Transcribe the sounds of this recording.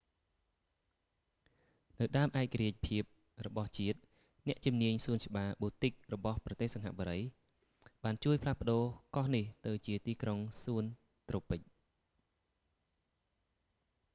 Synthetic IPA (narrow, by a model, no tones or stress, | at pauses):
nɨwɗaəmʔaɛk̚kːaɾiəc̚pʰiəp̚ | rɔɓɑht͡ɕiət̪̚ | nɛ̆əʔt͡ɕumniəɲsuənt͡ɕə̆ɓaːɓuːt̪ɨk̚rɔɓɑhprɑt̪eːhsɑŋɦa̰ʔɓoɔɾəj | ɓaːnt͡ɕuəjpʰlahpə̆ɗoːkɑhniht̪ɨwt͡ɕiət̪iːkroŋsuən | t̪roːpɨc̚